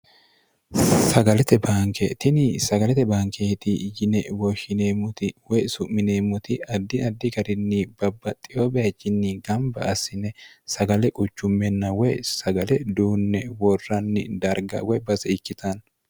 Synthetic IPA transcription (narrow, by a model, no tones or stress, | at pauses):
sɐɡɐlɛt̪ɛbaːŋkɛt̪ɪnɪsɐɡɐlɛt̪ɛbaːŋkʰeːt̪ɪjɪnɛwɔʃɪneːmːʊt̪ɪwɔjsʊʔmɪne̞ːmːʊt̪ɪɐd̪ːɪɐd̪ːɪɡɐɾɪnːib̥ɐbːɐt̪ʼɪjobet͡ʃːɪnːɪɡɐmbɐ̰ʔɐsɪnɛ | sɐɡɐlɛkʼʊt͡ʃːʊmːɛnːɐwɔjsɐɡɐlɛd̪uːnːɛwɔrːɐnːɪ̰d̪ɐɾɡɐ̰wɔjbɐzɛɪkːɪt̪ʰɐn